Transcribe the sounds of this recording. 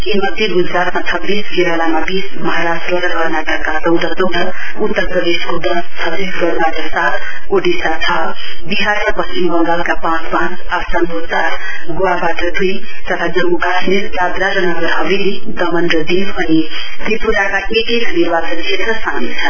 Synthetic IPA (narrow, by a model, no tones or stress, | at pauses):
imʌd̪ʱjeɡud͡zɾat̪mat͡sʰʌbːisɡeɾalamabismʌɦaɾasʈʌɡaɦʌɾnaʈʌkːat͡sʌwd̪ʱʌt͡sʌwd̪ʌut̪ːʌɾprʌd̪eskod̪ʌst̪ʰʌbisɡʌɾbaʈʰʌsat̪ʰ | oɖisat͡sʰabiɦaɾabʌst̪imbʌnd̪alkapãt͡spãt͡sapsanbot͡sat | ɡoabaʈʰʌd̪ujt̪ʌt̪ʰad͡zʌŋukasmiɾd͡zad̪ɾaɾʌnʌɡʌɾɦʌbilid̪ʌmʌnrʌd̪inbʱʌnit̪ɾipuɾakaʔekejd̪ʱunibat͡sʌnt͡ʃʰet̪rʌsãŋit͡sʰʌn